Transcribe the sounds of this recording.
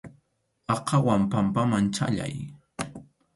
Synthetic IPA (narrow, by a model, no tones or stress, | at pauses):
ɑqʰɑwampampamant͡ʃa̰ʎa̰j